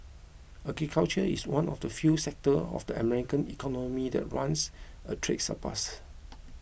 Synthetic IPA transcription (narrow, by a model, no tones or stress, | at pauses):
ʔaɡɹikʰalt͡ʃəḭswãnɔfdəfjusɛk̚təɔ̰fdəəmɛɹikə̃nikʰɔnɔmidɛ̰t̚ɹãns | ətʰɹḛk̚sə̰pʰa̰s